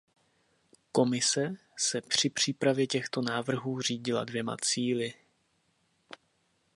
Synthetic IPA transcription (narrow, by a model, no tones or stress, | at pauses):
ko̞mɪsɛ | sɛpr̝̥ɪpr̝̥iːpɾavjɛcɛxt̪o̞naːvr̩ɦuːr̝iːɟɪla̰dvjɛma̰t͡siːlɪ